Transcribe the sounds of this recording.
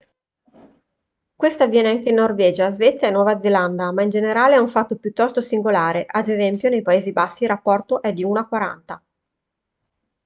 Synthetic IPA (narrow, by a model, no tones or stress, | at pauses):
kwest̪avjɛːneaŋkeinːorvɛːd͡ʒazvɛt̪sːjaenːwɔːvad̪zeland̪amaind͡ʒeneɾaːleɛuɱfat̪ːopjut̪ːɔst̪osiŋɡolaːɾeʔad̪ezɛmpjonejpaeːzibasːilrapːɔrt̪oʔɛd̪iuːnakwaɾa̰nt̪a